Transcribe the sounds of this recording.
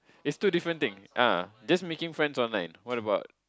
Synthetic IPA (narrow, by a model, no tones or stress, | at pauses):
ɪtstudifɹə̃nt̪ɪ̃ŋʔad͡ʒasmekɪ̃ŋfɹɛ̃ndsɔ̃nlãɪ̃nwɔtəbaʊt̚